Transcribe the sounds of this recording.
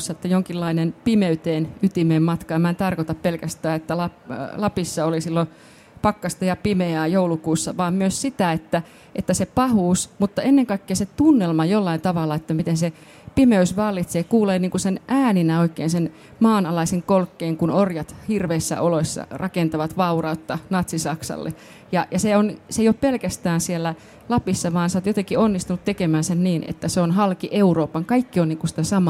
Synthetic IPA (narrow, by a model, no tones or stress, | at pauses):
sːɑet̪ːæjoŋkilːɑinenpimeyt̪eːnyt̪imeːmmɑt̪kɑemːæent̪ɑrkot̪ɑppelkæst̪æːet̪ːælɑlɑpisːɑolisilːo | pɑkːɑst̪ɑjɑpimeæːjoulukuːsːɑʋɑːmmyøssit̪æet̪ːæ | ʔet̪ːæsepɑhuːsmut̪ːɑenːeŋkɑikːeːset̪unːelmɑjolːɑint̪ɑʋɑlːɑet̪ːæmit̪ense | pimeysʋɑlːit̪seːkuːleːniːŋkusenʔæːninæoikːˑeːnsen | mɑːnɑlɑiseŋkolkːeːŋkunorjɑt̪hirʋeisːæ̰ʔolosːɑ̰rʔɑkent̪ɑʋɑt̪ʋɑurɑut̪ːɑnɑt̪sisɑksɑ̰lːḛ | jɑjɑseonseijoppelkæst̪æːnsielːæ | lɑpisːɑʋɑːnseot̪jot̪eŋkionːist̪unut̪t̪ekemæːnsenniːnḛt̪ːæseonɦɑlkiʔeuroːpɑŋkɑikːioniːŋkusi̥t̪æsɑmɑ